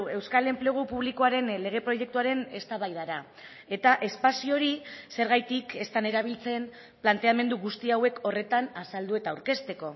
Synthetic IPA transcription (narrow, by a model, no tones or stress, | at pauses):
e̞wskale̞mpleɣ̞upuβ̞likoaɾe̞nle̞ɣ̞e̞pɾo̞ʝe̞k̚t̪uaɾe̞ne̞st̪aβajðaɾa | e̞t̪aʔe̞spasio̞ɾise̞ɾɣ̞ajt̪ike̞st̪ane̞ɾaβ̞ilt͡se̞m | plant̪e̞ame̞nd̪uɣust̪iawe̞kʰo̞re̞t̪anasald̪ue̞t̪aːwɾke̞st̪e̞ko̞